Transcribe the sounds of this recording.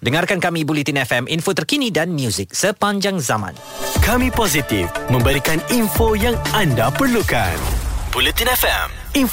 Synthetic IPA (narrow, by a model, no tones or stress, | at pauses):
dəŋarkankamibulit̪inɛfɛmʔinfot̪ərkinidanmjuzɪk̚səpaɲd͡ʒaŋzamã̰n | kamipozit̪ḭfmə̃mbəɾikaninfojaŋandapərluka̰nbulit̪inɛfɛ̰m | in